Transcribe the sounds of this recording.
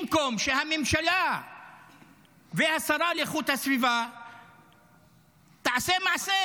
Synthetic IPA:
mko̞mʃeɦamemʃala | vehasaɾaleχut̪hasviva | t̪aʕasemaʕse

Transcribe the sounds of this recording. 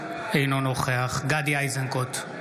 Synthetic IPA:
ejnonoχeaχɡad̪iajzaŋkot̪

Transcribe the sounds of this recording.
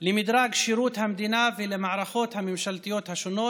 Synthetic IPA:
lemid̪ɾaɡʃiɾut̪hamd̪inavelemaʕɾaχo̞t̪hamemʃalt̪ijo̞t̪haʃono̞

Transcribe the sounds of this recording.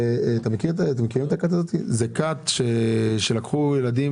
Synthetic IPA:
t̪amekitaat̪emekiʁimet̪akat̪azo̞t̪izekat̪ʃeʃe̞lakχujelad̪i

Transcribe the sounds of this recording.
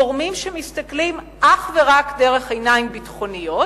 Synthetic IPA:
oʁmimʃemist̪aklim | ʔaχveʁakdeʁe̞χejnaimbitχo̞nijo̞

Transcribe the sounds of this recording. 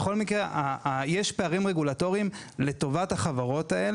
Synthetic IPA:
eχo̞lmikʁeʔajeʃpeaʁimʁeɡulato̞ʁiim | le̞to̞vathaχavaʁo̞tael

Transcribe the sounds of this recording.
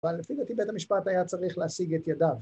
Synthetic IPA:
valːefibet̪ibet̪amiʃpat̪ajat͡saʁiχleasiɡet̪jadav

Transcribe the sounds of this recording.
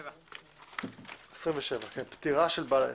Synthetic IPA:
esʁimveʃevakenpt̪iʁaʃelbal

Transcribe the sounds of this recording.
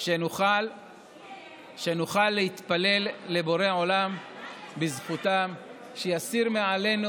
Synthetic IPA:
ʃenuχal | ʃenuχalːeit̪pale̞lːe̞bo̞ʁeo̞lambizχut̪am | ʃejasiʁmeʕale̞nu

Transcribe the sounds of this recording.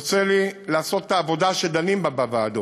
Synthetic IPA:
t͡selilaːso̞t̪ːaːvo̞d̪aʃed̪animbabavaːd̪o

